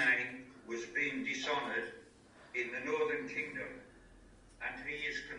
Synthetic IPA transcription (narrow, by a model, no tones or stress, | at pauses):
ɪ̃ŋwʌzbiɪ̃ŋdɨsɑnə˞ɾ | ɪ̃nðɨnɔɹðə̃˞nkʰɪ̃ŋdɨ̃m | ɨ̃niɪz̥kʰɨ̃n